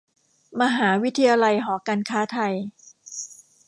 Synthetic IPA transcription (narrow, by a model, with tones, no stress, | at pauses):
ma˧ɦaː˩˦wi˦˥t̪ʰːa˧jaː˧la˧jɦɔː˩˦kaː˧nkʰaː˦˥t̪ʰa˧j